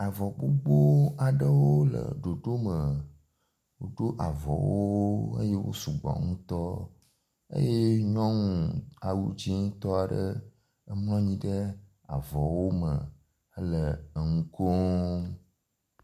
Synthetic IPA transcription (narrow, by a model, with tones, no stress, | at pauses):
a˨vɔ˨ɡ͡bo˦ɡ͡bo˦a˨ɖə˦wo˦lə̰˨ɖo˨ɖo˦mə˨ | wo˨ɖo˦ʔa˨vɔ̰˨wo˦ə̰˦je˦wo̰˦su˨ɡ͡bɔ̰˨ŋũ˦t̪ɔ˦ | ə̰˦je˦ɲɔ̃˦ŋũ˨a˨wu˦d͡ʑi˦ŋ˦t̪ɔ˦a˨ɖə˦ | ə˦mlɔ̃˦ɲĩ˦ɖə˦ | a˨vɔ˨wo˦mə˨ | ə˦lə˨ə˨ŋũ˦ko˦